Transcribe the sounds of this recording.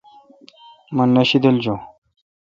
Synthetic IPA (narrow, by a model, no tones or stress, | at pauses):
mɐnːɐɕid̪ɐld͡ʑo